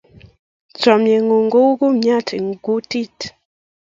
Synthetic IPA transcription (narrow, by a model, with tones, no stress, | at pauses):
t͡sɔ˨mje˨ŋu˨ŋɡo˦u˦ɡu˦m̩˦ɲa˦˨tʰe˨ŋ˨ɡu˦ti˦˨t